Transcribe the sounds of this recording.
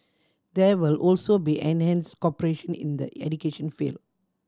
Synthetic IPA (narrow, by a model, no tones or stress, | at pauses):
d̪ɛʋɪlʔɔːlsobiʔɛ̃nhɛ̃nsʈkɔpəɾeʃə̃nɪ̰̃nd̪ə̰ɛ̰ɖukeːʃə̃nfḭl